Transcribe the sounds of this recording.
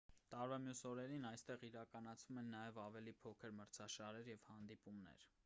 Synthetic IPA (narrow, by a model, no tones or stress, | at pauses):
t̪ɑɾvɑmjusɔɾɛɾinɑjst̪ɛʁiɾɑkɑnɑt͡sʰvumɛnːɑjɛvɑvɛlipʰɔkʰəɾməɾt͡sʰɑʃɑɾɛɾjɛvhɑnd̪ipumnɛ̰ɾ